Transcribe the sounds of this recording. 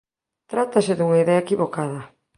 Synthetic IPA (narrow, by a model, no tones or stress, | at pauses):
t̪ɾat̪asɪðuŋaiðeɐekiβokaðɐ